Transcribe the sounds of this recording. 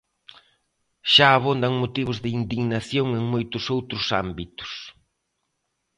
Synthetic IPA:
ʃaːβond̪ɐŋmot̪iβʊzðɪind̪iɣnaθjoŋeŋmojt̪ʊsowt̪ɾʊsa̰mbit̪ʊ̥s

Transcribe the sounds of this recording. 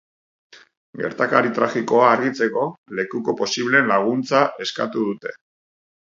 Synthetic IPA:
ɡe̞ɾt̪akaɾit̪ɾaɣiko̞aːɾɣit͡se̞ko̞le̞kuko̞po̞siβle̞ːnlaɣ̞unt͡sae̞skat̪uðut̪e̞̥

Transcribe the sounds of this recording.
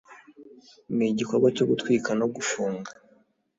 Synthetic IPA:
miɟikoɾɡwat͡ʃoɡutwiːkanoɡufuːŋɡa

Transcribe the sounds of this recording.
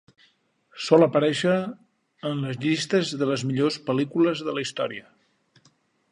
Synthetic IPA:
sɔləpəɾɛʃəː | nləzʎist̪əzðələzmiʎospəlikuləzðələist̪ɔ̰ɾiə

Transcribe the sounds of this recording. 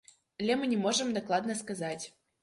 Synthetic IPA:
lʲemɨnʲemoʐəmd̪oklˠɑd̪nəskazɑtʲ

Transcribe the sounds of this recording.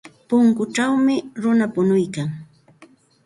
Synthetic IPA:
pʊŋkʊʈ͡ʂawmɪɾʊnapʊnʊjkaŋ

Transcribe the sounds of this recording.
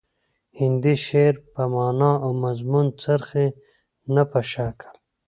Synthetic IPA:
hɪnd̪iʃeɾpamɑːnaːawmɐzmunt͡sɐɾxe | napaʃaːkʰḁ

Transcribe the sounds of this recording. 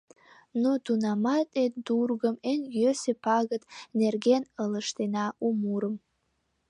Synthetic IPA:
nudunamatʼet̚ʼdurɡəmenɡʲøsepʰaɡɨtʼnerɡʲenəlɨʂtʰenaumuɾɨm

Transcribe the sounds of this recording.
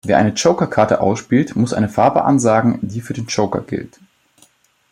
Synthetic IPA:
veːɐʔa̰ɪnət͡ʃoʊkɐkʰaɐtə̰ʔa̰ʊsʃpiːltmʊsʔaɪnəfaɐbə̰ʔa̰nzaːɡŋ̩diːfyːɐdeːnt͡ʃoʊkɐ̰ɡ̥ɪ̰lt

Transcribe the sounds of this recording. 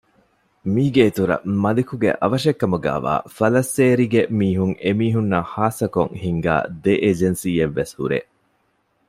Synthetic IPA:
miːɡeːt̪uɾɐ̰mɐlikuɡḛʔɐʋɐʃekːɐmuɡæ̰ːʋa̰ːfɐlɐsːeːɾiɡemiːɦuŋemiːɦunːɐhaːsɐkoŋhiŋɡæ̰ːd̪eʔed͡ʒensiːeʋːeshṵɾḛː

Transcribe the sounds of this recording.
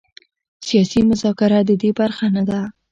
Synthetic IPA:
sijɑsimʊzɑkɪɾad̪əd̪ebaɾxanad̪a

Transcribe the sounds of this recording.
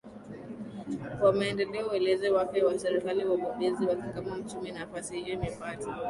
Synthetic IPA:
wamaɛndɛlɛɔuɛlɛzɛwapɛwasɛɾikaliwaɓɔɓɛziwakikamam̩t͡ʃuminafasihijɔmɛmati

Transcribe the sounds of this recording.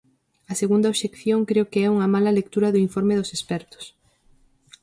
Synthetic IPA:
ɐseɣund̪ɐoʃekθjoŋkɾeʊkeɛuŋɐmalɐlek̚t̪uɾɐðʊiɱfoɾmeðʊsespɛɾt̪ʊ̥s

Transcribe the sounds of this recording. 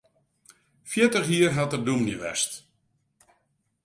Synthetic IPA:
fjɪtəχjiərɦatərdumniʋɛ̰st

